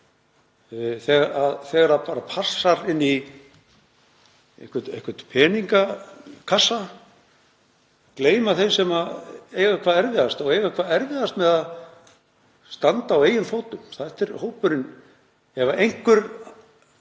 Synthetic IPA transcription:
θɛɣaɾaðθɛːɣaɾapaːɾapʰasːaɾɪnːi | ḛhkvʏt̪ḛhkvʏt̪pʰɛːniŋkakʰasːa | kleːjmaθejnsɛmaejɣakʰvaːðɛɾvɪðast̪ɔɣejɣakʰvaːðɛɾvɪðast̪mɛðað | st̪ant̪aːweːjʏnθoːwt̪ʏmθaht̪ɛɾhowpʏɾɪn | ɛvaʔejŋ̥kʏɾ

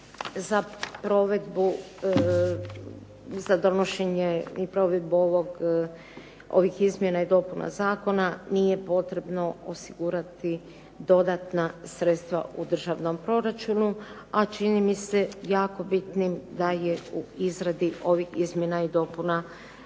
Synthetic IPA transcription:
zapɾo̞ʋe̞d̪bu | zad̪o̞noʃeɲeipɾo̞ʋe̞d̪̚buoʋoɡ | o̞̰ʋixizmje̞naid̪o̞puna̰zaːko̞nanije̞po̞t̪ɾe̞bno̞osiɡuɾat̪i | d̪o̞d̪at̪nasɾet̪st̪ʋa̰ud̪r̩ʒaʋno̞mpɾo̞ɾat͡ʃunu | at͡ʃinimise̞jaːko̞bit̪nimd̪aje̞uizɾad̪iʔo̞ʋixizmje̞naid̪o̞ːpuna

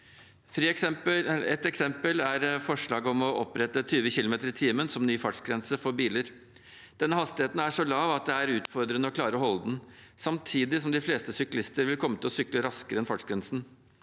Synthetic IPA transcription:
fɾiːɛɛt̪ɛksɛmpəlæɾfɔʂɭɑːɡɔmɔʔɔpːɾɛt̪ət̪ʰyːʋəçɪlʊmeːt̪əɾɪt̪ʰiːmənsɔmnyːfɑʈʂɡɾɛnsəfɔɾbiːləɾ | d̪̥ɛnːəhɑst̪ɪheːt̪n̩æʂɔlɑːʋɑt̪̚d̪ɛæɾʉːt̪fɔɾd̪ɾənəɔkʰlɑːɾəɔɦɔləd̪n | sɑmt̪ʰiːd̪ɪsɔmd̪ɪfleːst̪əsʏklɪst̪əɾʋɪlkʰɔmːət̪ʰɪlɔsʏkləɾɑskəɾəɛnfɑʈʂɡɾɛnsn

